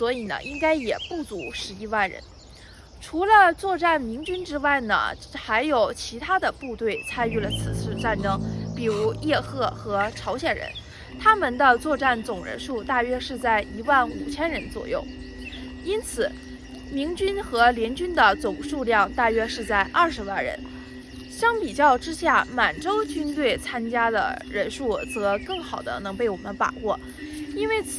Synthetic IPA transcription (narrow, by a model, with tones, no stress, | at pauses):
swɔ˧˥i˨˩nə̰˦ʔi˥ŋka˥ɪjɛ˨˩pu˥˩t͡su˧˥ʂɻ̩˧˥i˥wa˥˩nɻə̰˧˥n | ʈ͡ʂʰu˧˥lə˧t͡swɔ˥˧ʈ͡ʂa˥˩nmi˧˥ŋt͡ɕy˥nʈ͡ʂɻ̩˥wa˥˩ɪnə̰˩xa˧˥ɪjo˨˩ʊt͡ɕʰi˧˥t̪ʰa˥d̪ə˨pu˥˧t̪we˥˩ɪt͡sʰa˥ny˥˩lə˩t͡sʰɹ̩˨˩t͡sʰɹ̩˥˧ʈ͡ʂa˥˩nʈ͡ʂɤ˥ŋpi˨˩ɻu˧˥jɛ˥˧xɤ˥˩xɤ˧˥ʈ͡ʂʰɑ˧˥ʊɕjɛ˨˩nɻə̰˧˥n | t̪ʰa˥mə˨nd̪ə˧t͡swɔ˥˧ʈ͡ʂa˥˩nt͡sʊ˨˩ŋɻə̰˧˥nʂu˥˧t̪a˥˩ɥɛ˥ʂɻ̩˥˧t͡sa˥˩ɪi˧˥wa˥˩nṵ˨˩t͡ɕʰjɛ˥nɻə˧˥nt͡swɔ̰˨˩jo̰˥˩ʊ | i˥nt͡sʰɹ̩˨˩˦ | mi˧˥ŋt͡ɕy˥nxɤ˧˥ljɛ˧˥nt͡ɕy˥nd̪ə˨t͡sʊ˨˩ŋʂu˥˧ljɑ˥˧ŋt̪a˥˩ɥɛ˥ʂɻ̩˥˧t͡sa˥˧ɪʔɐ˥˩ʂɻ̩˧˥wa˥˩nɻə̰˧˥n | ɕjɑ˥ŋpi˨˩t͡ɕjɑ˥˧ʊʈ͡ʂɻ̩˥ɕja˥˩ma˨˩nʈ͡ʂo˥ʊt͡ɕy˥nt̪we˥˩ɪt͡sʰa˥nt͡ɕja˥d̪ə̰˨ɻə˧˥nʂu˥˩t͡sɤ˧˥kɤ˥˩ŋxɑ˨˩ʊd̪ə̰˦nɤ˧˥ŋpe˥˩ɪwɔ˨˩mə˦npa̰˨˩wɔ˥˩ | i˥nwe˥˩ɪ